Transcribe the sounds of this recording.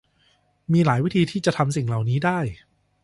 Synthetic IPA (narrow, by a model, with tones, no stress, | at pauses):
miː˧laː˩˦jwi˦˥t̪ʰiː˧t̪ʰiː˥˩t͡ɕa˨˩t̪ʰa˧msi˨˩ŋla˨˩wniː˦˥daː˥˩j